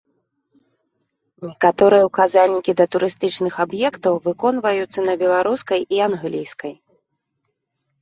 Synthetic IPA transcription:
nʲɛkat̪ɔɾɨjɛwkazalʲnʲikʲid̪ɐt̪uɾɨst̪ɨt͡ʂnɨxabjɛkt̪ɐwvɨkɔnvɐjut̪sːɐnɐbʲɛlˠaɾuskɐjʔianɣlʲijskɐj

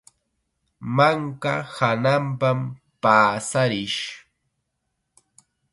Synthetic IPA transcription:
maŋka̰hanampam | paːsaɾɪʃ

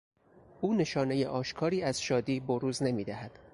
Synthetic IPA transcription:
ʔuːne̞ʃɒːne̞jeʔɒːʃkʰɒːɾiːæz̥ʃɒːd̪iːboɾuːzne̞miːd̪æhæd̪̥

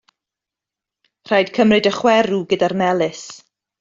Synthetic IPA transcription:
r̥ajdkʰəmrɨdəχwɛɾuɡədarmɛlˠɨs

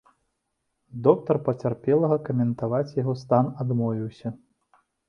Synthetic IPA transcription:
d̪ɔk̚t̪ɐrpɐt͡sʲarpʲɛlˠɐɣɐkɐmʲɛnt̪avat͡sʲjaɣɔst̪anad̪mɔvʲiwsʲɐ

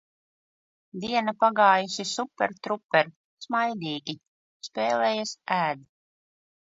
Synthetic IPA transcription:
d̪iɛnapaɡɑːjusisupʲːɛɾt̪ɾupːɛɾ | smajd̪iːɡʲi | speːlɛːjasæːd̪

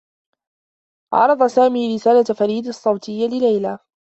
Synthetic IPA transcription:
ʔɑ̰ɾˤɑd̪ˤɑsaːmiːɾɪsaːlafaɾiːd̪ɑsˤːɑwt̪ʰɪjːalɪlajla

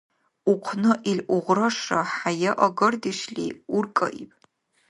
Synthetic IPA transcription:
ʊqʷʰnɨʔiɮʔʷʊʁʷrɐʂɐħajɛʔɐɡɐrdiʃɮḭːʊrkʼɐ̰ʔḭpʼ

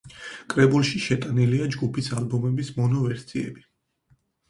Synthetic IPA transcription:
kʼɾɛbulˠʃiʃɛt̪ʼaniliad͡ʒɡupʰisalbɔmɛbismɔnɔvɛɾsʰiɛ̰bi

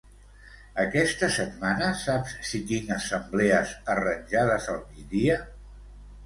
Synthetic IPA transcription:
əkɛst̪əsət̪̚manəsapssikinəsəmblɛəzərənʲʒað̞əzəlˠmid̪iə

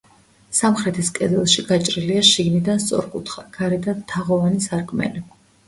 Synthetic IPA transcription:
samχɾɛt̪ʰiskʼɛd̪ɛlˠʃiɡat͡ʃʼɾiliaʃiɡnid̪anst̪sʼɔ̰ɾkʼut̪ʰχakʰaɾɛd̪ant̪ʰaʁɔvanisaɾkʼmɛ̰li

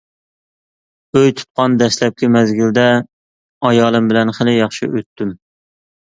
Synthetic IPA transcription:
øjt̪ʰu̥t̪̚qɑnd̪ɛslɛp̚kʲʰɪmɛzɡʲild̪ɛ | ɑjɑːlˠɨmbɪlɛnχɪlɪjɑχʃḭʔøt̪ːym

